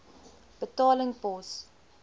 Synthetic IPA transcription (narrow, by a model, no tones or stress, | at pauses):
b̥ətɑːləŋpɔs